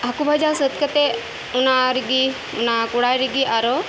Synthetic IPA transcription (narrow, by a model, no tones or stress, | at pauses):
ɐkubʱad͡ʒasɐt̪kɐt̪e | ʊnaɾiɡi | ʊnakʊɽaɾiɡiʔaɾo